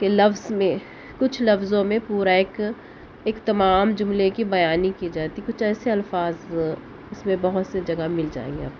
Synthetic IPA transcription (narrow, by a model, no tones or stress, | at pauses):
kelɐfzmẽ | kʊt͡ʃʰlɐfzõmẽpuːɾaeːk | eːkt̪ɐmaːmd͡ʒʊmlekibɐjaːnikid͡ʒaːt̪ikʊt͡ʃʰɛːseɐlfaːz | ʊsmẽbɐɦʊt̪sed͡ʒɐɡamɪld͡ʒa̰ːḛːŋɡia̰ːb